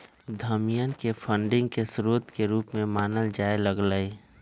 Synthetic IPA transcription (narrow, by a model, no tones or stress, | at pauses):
d̪ʱəmijənkepʰə̃ɳɖɪ̃ŋɡ̚kesɾoːt̪keɾuːpmẽmaːnəld͡ʒaːeləɡləi